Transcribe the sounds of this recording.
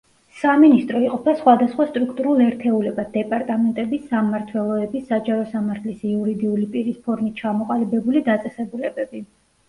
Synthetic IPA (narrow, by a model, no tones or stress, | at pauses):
saminist̪ʼɾɔiqʼɔpʰasχwad̪asχwast̪ʼɾukʰt̪ʼuɾulˠɛɾt̪ʰɛulɛbad̪̚d̪ɛpʼaɾt̪ʼamɛnt̪ʼɛbisamaɾt̪ʰwɛlˠɔɛbisad͡ʒaɾɔsamaɾt̪ʰlisiuɾid̪iulipʼiɾispʰɔɾmit̪̚t͡ʃʰamɔqʼalibɛbulid̪at̪sʼɛsɛbulɛbɛbi